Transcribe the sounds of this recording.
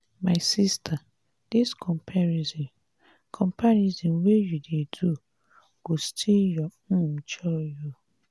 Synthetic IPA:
maɪsistʰa | d̥iskʰɔmpʰaɾizɔ̃n | kʰɔ̃mpaɾizɔ̃nwejudedu | ɡ̥ostʰiljɔm̩t͡ʃɔju

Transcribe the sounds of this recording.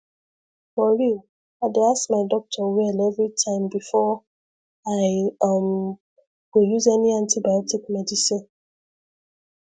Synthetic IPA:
mɔɹil | aɪdeasmaɪdɔk̚tʰɔwɛlɛvɹitʰãɪ̃mbifɔ | aɪʌm | wujuzɛniãntʰibajɔtikmɛdisĩn

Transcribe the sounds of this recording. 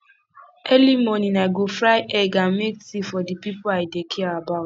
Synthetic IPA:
elimoninaɡofɾaɪʔɛɡameksifɔdipipʊaɪdekʰiɾabaʊt

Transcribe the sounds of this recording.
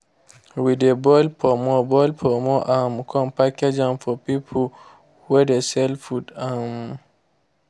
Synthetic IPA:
widɛbɔlpʰɔmɔbɔlpʰɔmɔʔamkʰɔ̃mpakɛd͡ʒanfɔpipʰul | wɛdɛsɛlfutam

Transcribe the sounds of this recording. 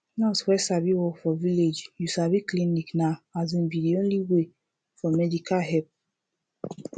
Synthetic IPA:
nɔtwɛsabiwɔfɔviled͡ʒjusabikliniknaazĩnbidiõnliwe | fɔmɛdikaɦɛp̚

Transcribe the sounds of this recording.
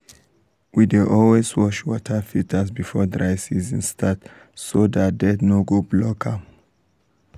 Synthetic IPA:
wideʔɔlwezwɔʃwɔtʰəfitʰəsbifɔdɹaɪsizĩnstʰat | sodat̚d̪ɛdnɔɡoblɔkʰa

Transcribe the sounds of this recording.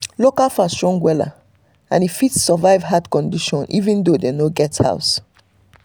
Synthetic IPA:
lokalfasɹɔ̃ŋɡwɛla̰ | ã̰nitfitsːɔvaɪvɦadkɔ̃ndiʃɔ̃nʔḭvĩndodenoɡɛtha̰ʊs

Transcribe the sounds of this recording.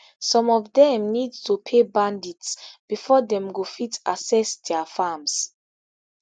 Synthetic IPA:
sɔ̃mɔvdɛ̃mnidtupʰebãnditsb̥ifɔdɛ̃mɡofitasɛsdɛafams

